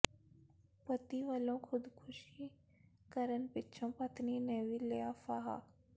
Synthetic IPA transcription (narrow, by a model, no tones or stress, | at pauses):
pət̪iʋəlõkʰʊd̪kʰʊʃi | kəɾənpɪtːʃʰõpɐt̪nineːʋileafaɦa̰